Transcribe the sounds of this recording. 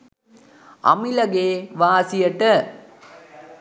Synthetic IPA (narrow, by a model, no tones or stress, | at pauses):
ɐ̰milɐɡeːʋaːsijɐʈɐ